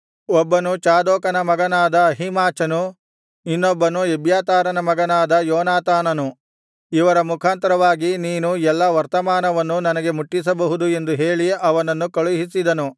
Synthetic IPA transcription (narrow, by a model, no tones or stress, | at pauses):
ɔbːɐnut͡ʃaːd̪ɔːkɐnɐmɐɡɐnaːd̪ɐːɦimaːt͡ʃɐnu | inːɔbːɐnuebjaːt̪aːɾɐnɐmɐɡɐnaːd̪ɐjɔːnaːt̪aːnɐnu | iʋɐɾɐmukʰaːnt̪ɐɾɐʋaːɡiniːnuɛlːɐʋɐɾt̪ɐmaːnɐʋɐnːunɐnɐɡe̞muʈːis̬ɐbɐɦud̪ue̞nd̪uɦeːɭiɐʋɐnɐnːukɐɭuɦisid̪ɐnu